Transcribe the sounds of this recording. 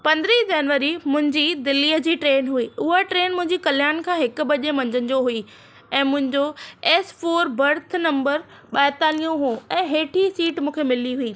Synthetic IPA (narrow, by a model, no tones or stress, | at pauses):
pɐ̃nd̪ɾid͡ʑɐnʋəɾimʊ̃ɦɪ̃ɲd͡ʑiːd̪ɪlːiːəd͡ʑiːʈɾeːnɦuiːʊɦaʈɾeːnmʊ̃ɦɪ̃ɲd͡ʑikɐljaːnkʰãːɦɪkʊ̆ɓɐʄemɐ̃ɲd͡ʑən̆d͡ʑoɦui | ɛ̃ːmʊ̃ɦɪ̃ɲd͡ʑoɛsfoːɾbɐɾt̪ʰnɐ̃mbəɾ | ɓaːɪt̪aːlijõɦuɛ̃ːɦeːʈʰisiːʈmũːkʰemɪliɦuiː